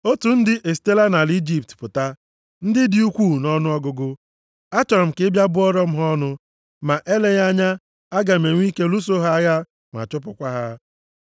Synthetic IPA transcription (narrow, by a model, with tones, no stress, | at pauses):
o˦tu˨n̩˦dɪ˦ʔe˨s̬te˦la˦na˨li˦d͡ʒi˦p̚tpʊ˨ta˦ | n̩˦dɪ˦di˦u˦kʷuː˦˨nɔ˦nʊ˦ɔ˦ɡʊ˨ɡʊ˦ | a˦t͡ʃɔ˨ɾm̩˨kɪ˦bja˦bʊ˦ɔ˦ɾɔ˦m̩˦ɦɔ˦nʊ˦ | ma˨ʔe˦le˦ɣa˦ɲa˦ | a˦ɡa˨me˨ŋʷ˦i˦ke˦lu˦s̬o˦ɦa˦ja˦ | ŋʷ˨a̰˨t͡ʃʊ˦p̬ʊ˨kʷa˦ɦa˦